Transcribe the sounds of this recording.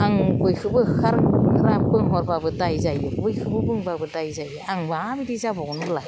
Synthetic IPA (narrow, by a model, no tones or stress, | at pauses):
aŋbɯjkʰɯbɯkʰaɾɾapɯŋɦɔɾbabɯdajzajɯbujkʰɯbɯbɯŋbabɯdajzajɯaŋbɯaabidizabɔɡɔnbɯlaj